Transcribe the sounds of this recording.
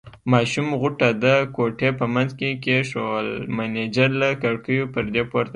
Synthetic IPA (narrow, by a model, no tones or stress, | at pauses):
mɑʃumɣʊʈad̪əkoʈepəmanzkekeʃolmaned͡ʒaɾlakaɽkəjopəɾd̪epoɾt̪